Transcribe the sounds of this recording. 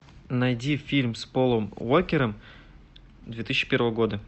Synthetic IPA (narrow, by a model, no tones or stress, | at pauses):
nɐjdʲifʲilʲmspolˠəmwokʲɪɾəm | d̪vʲet̪ɨsʲt͡ɕːɪ̥pʲe̞rvəvəɡo̞d̪ə